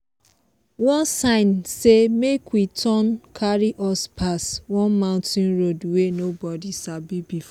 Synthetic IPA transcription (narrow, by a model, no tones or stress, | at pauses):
wɔ̃nsãɪ̃nsemekwitʰɔnkʰaɹiʔɔspʰaswɔ̃nmãʊ̃ntĩnɹodwenobɔdisabibif